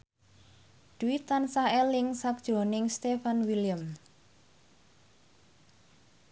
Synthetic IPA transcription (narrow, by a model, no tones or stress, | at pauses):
d̪̥uit̪ansaɛlɪŋsak̚d̥ʒ̥o̤nɪŋst̪efanwiliəm